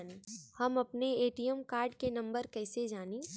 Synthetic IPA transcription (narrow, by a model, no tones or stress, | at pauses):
neːhɐmɐpneeːʈijəmkaːɾɖkenɐ̃mbəɾkɛːsed͡ʒaːniː